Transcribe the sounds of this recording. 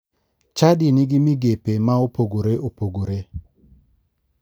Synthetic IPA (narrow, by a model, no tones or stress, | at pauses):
t͡ʃadɪnɪɡɪmiɡepemaopoɡoɾeʔopoɡoɾe